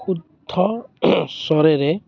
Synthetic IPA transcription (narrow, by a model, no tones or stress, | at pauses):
kud̪ʱɔsɔɾeɾe